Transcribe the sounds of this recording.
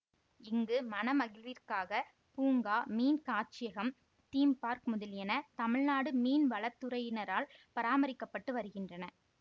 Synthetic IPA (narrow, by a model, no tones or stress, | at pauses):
ɪŋɡɯmɐnɐmɐɣɪlʋirkaːɣɐ | puːŋɡaːmiːnkaːt͡ʃɪjɐɣɐm | t̪iːmpaːɾkmʊðɐljɛnɐt̪ɐmɪɻnaːɽɯmiːnʋɐɭɐt̪ːɯɾɐjɪnɐɾaːlpɐɾaːmɐɾɪkːɐpːɐʈːɯʋɐɾɯɣɪndrɐnɐ